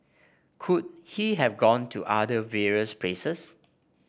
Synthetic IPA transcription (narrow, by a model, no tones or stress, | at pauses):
kʰud̚hiɦɛvɡɔ̃ntʰuʔadəvɛɹiəsplesəs